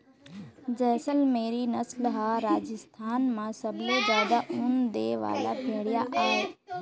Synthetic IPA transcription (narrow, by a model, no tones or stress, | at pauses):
d͡ʒɛːsəlmeːɾinɐslɦaːɾaːd͡ʒəst̪ʰaːnmãsɐblod͡ʒjaːd̪aʔʊnd̪eːʋa̰ːlabʱeːɽɪjaʔaːɦeː